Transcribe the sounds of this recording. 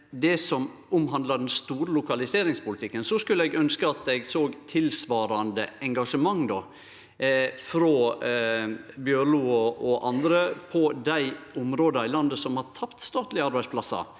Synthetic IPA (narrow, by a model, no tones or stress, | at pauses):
d̪ɛsɔm | ʊmɦɑnd̪lɑɖ̪ɛnst̪uːɾəlʊkɑlɪseːɾɪŋspʊlɪt̪ɪkːənsɔskʉlːəɛɡœnskəɑt̪ɛɡsoːɡt̪ʰɪlsʋɑːɾɑnd̪əʔɛŋɡɑʂəmɑŋːd̪ɔ | fɾɔ | bjøɾɭuːɔʔɔʔɑnd̪ɾəpʰɔd̪æɪʊmɾoːd̪ɑɪlɑnd̪əsɔmhɑɾt̪ʰɑpt̪st̪ɑːt̪lɪɑɾbæɪspʰlɑsɑ̰